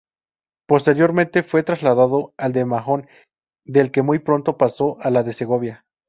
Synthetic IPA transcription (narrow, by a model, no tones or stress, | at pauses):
po̞st̪eɾjo̞ɾment̪e̞fwe̞t̪ɾazlaðaðo̞ald̪emaxo̞n | d̪e̞lke̞mujpɾo̞nt̪o̞paso̞ʔalaðe̞seɣo̞βja